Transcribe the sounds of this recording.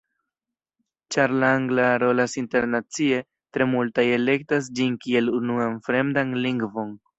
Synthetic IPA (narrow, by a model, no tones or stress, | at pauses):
t͡ʃaɾlaaŋɡlaɾo̞lasinte̞ɾnat͡sie̞ | tɾe̞multaje̞le̞k̚tas̬d͡ʒinkie̞lunuanfɾe̞mdanliŋɡvo̞n